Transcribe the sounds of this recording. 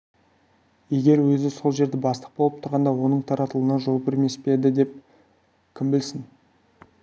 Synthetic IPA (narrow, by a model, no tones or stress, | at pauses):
je̞ɡʲe̞ɾwɵzɪso̞lˠʒe̞ɾd̪ɪbɑst̪ə̥q̚bo̞lˠəp̚t̪ʰʊɾʁɑnd̪ɑwo̞nəɴt̪ʰɑɾɑt̪əlˠənɑʒo̞lˠbɪɾme̞spe̞d̪ɪd̪e̞p̚ | kʲʰɪmbɪlsɪn